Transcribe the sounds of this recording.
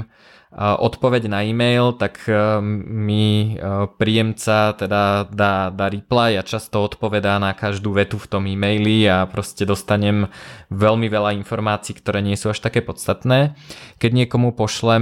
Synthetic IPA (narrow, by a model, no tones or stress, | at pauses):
ʔɔt̪pɔʋɛɟnaiːmɛjlt̪ak | mi | pɾiːɛmt͡sat̪ɛd̪ad̪aːd̪aːɾiplajat͡ʃast̪ɔɔt̪pɔʋɛd̪anakaʒd̪uːʋɛt̪uft̪ɔmimɛjliapɾɔscɛd̪ɔst̪aɲɛmʋɛlmiʋɛlainfɔɾmaːt͡siːkt̪ɔɾɛːɲɪɛsuːaʃt̪akɛːpɔt͡st̪at̪nɛːkɛɟɲɪɛkɔmupɔʃlɛ